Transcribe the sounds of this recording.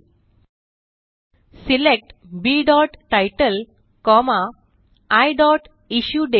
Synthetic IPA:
silek̚ʈbiɖɔʈːajʈəl | kɔmaː | jɖɔʈ | iɕjuːɖe

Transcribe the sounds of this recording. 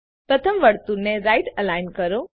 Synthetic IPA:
pɾət̪ʰəmʋəɽt̪uneɾajʈəlajnkəɾo

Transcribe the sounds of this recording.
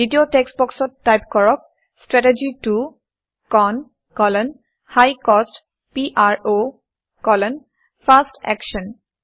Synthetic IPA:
ditiotɛksbɔksɔtːajpkɔɹɔk̚ | stɹɛted͡ʒitu | kɔn | kɔlɔn | hajkɔst | piʔaɹo | kɔlɔn | pʰastɛ̰kʃɔn

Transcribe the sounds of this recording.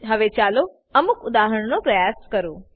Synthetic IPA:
ɦɐʋet͡ɕaːlo | ɐmʊkʊd̪aːɦəɽ̃nopɾɐjaːskɐɾuː

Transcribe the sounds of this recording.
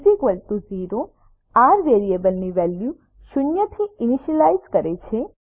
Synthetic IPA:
zikʋəlt̪uziɾo | aɾʋeɾiebəlniʋɛlju | ʃʊnjət̪ʰiiniʃəlaizkəɾet͡ʃʰe

